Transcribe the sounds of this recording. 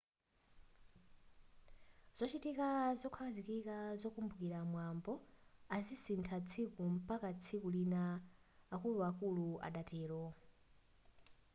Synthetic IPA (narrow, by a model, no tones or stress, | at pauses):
z̥ɔt͡ʃitikazɔkʰwakazikikazɔkumbukiɾamwambɔazisintʰat͡sʰikum̩pakat͡sʰikulinaː | kuluakulua̰ɗatɛːlɔ